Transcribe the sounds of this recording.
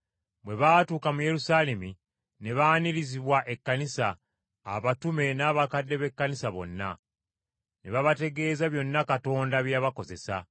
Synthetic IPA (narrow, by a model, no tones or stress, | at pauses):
bwe̞βaːtuːkamuje̞ɾusalemi | ne̞βaːniɾiziβwaʔe̞kːanisaː | βatume̞naːβakadːe̞βe̞kːanisaβo̞̰nːa̰ | ne̞βaβate̞ɡe̞ːzaβjo̞nːakato̞ːndaβjaβako̞ze̞sa̰